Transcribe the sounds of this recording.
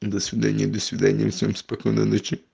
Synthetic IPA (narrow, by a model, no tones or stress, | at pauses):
d̪əsʲvʲɪd̪anʲɪjəd̪əsʲvʲɪd̪anʲɪjə̰fsʲemspɐkojnə̰not͡ɕʲɪ